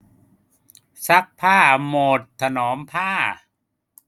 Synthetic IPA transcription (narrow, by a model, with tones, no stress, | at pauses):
sa˦˥k̚pʰaː˥˩moː˨˩t̪̚ʰːa˧nɔː˩˦mpʰaː˥˩